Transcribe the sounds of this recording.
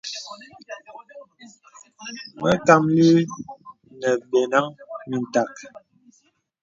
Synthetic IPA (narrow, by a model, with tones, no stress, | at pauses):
mə˦ka˨mli˦ | nə˨bɛ˨na˦ŋmi˨n˨ta˨k